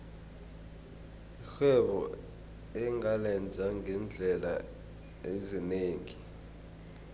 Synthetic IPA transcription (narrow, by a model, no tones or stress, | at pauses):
ixɛɓɔ̰ | ɛŋalɛnd͡zʱaŋʱɛnd͡ɮʱɛla̰ | ezineːŋi